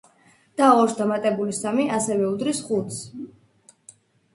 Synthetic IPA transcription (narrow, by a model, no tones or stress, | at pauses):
d̪̥aɔɾsd̪amat̪ʼɛbulisamiʔasɛvɛud̪ɾisχut̪s